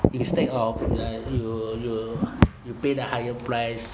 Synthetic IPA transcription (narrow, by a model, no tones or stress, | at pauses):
ĩnstɛtɔfajujujupedəhajəpɹaɪs